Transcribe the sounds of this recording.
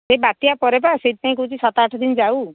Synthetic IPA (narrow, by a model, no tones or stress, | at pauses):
sebat̪iapɔɾepaset̪̚paĩk̬ɔut͡ʃʰisɔt̪aʈʰɔd̪inɔd͡ʒaw